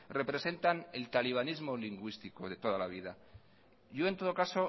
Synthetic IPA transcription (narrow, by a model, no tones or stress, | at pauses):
re̞pɾe̞se̞nt̪ane̞lt̪aliβ̞anizmo̞liŋɡwist̪iko̞ðe̞t̪o̞ð̞alaβ̞iða | ʝoe̞nt̪o̞ð̞okaso̞